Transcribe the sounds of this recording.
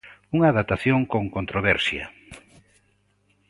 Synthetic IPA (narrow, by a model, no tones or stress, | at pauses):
uŋaðat̪aθjoŋkoŋkont̪ɾoβɛɾsjɐ̰